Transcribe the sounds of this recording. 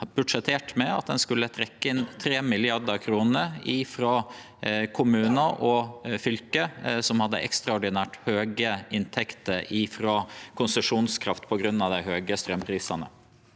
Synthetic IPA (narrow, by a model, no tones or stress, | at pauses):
bʉ̥ʂɛt̪ʰeːʈmɛɑ̰t̪̚d̪ɛnskʉlːət̪ʰɾɛkːəɪnt̪ʰɾeːmɪlɪɑd̪əkʰɾuːnəɾifɾoː | kʰʊmʉːnəɾʔɔfʏlkəsɔmhɑd̪ːə̰ʔɛ̰kst̪ɾɑɔɖɪnæːʈhøːɡəɪnt̪ʰɛkt̪əɾiːfɾoːkʰʊnsəʂuːnskʰɾɑft̪pʰɔɡɾʉnːɑʋd̪æɪɦøːɡəst̪ɾœmpʰɾiːsɑnə̰